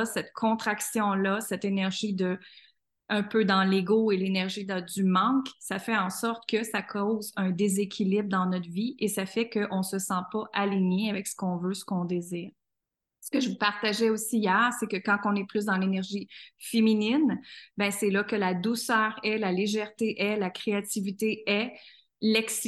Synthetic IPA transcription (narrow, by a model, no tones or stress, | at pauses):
sɛt̪kʰɔ̃t̪χaksjɔ̃lʌsɛt̪enɛʁʒid̪ə | œ̃pød̪ɑ̃leɡoelenɛʁʒid̪əd̪ymɑ̃ksafɛɑ̃sɔʁt̪kəsakʰɔːzœ̃d̪ezekʲʰilɪbʁd̪ɑ̃nɔt̪viesafɛkəʔɔ̃səsɑ̃pʌʔaliɲeavɛksə̥kɔ̃vøsə̥kɔ̃d̪eziːʁ | sə̥kəʒəvupaʁt̪aʒɛosiːjɛːʁsekəkɑ̃kɔ̃nɛplʏs̬d̪ɑ̃lenɛʁʒifeminɪnbɛ̃sɛlʌkəlad̪usœːʁɛlaleʒɛʁt̪eʔɛlakχeat̪ivit̪eɛ | lɛksi